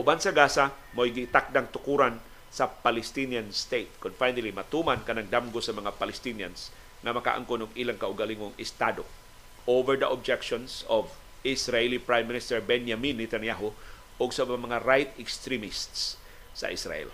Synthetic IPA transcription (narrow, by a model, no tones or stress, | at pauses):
ʔʊbansɐɡaːsa | mojɡɪt̪ak̚d̪aŋt̪ʊkuːɾan | sɐpalɛst̪injanst̪ejt̪̚kʊnfajnalimɐt̪uːmankɐnaŋd̪amɡosɐmɐŋapalɛst̪inja̰ns | ŋɐmɐka̰ʔa̰ŋkonʊŋʔiːlaŋkaʔʊɡalɪŋoŋɪst̪ad̪o̰ | ʔowvɛɹd̪ɐʔob̚d͡ʒɛkʃonsov | ʔɪsɾaɛlipɹajmːɪnɪst̪ɛɹbɛnjaminːɛt̪anjaɦo | ʔʊɡsɐmɐŋaɾajt̪ɛkst̪ɾimɪst̪sː | ɐ̰ʔɪsɾa̰ʔɛ̰l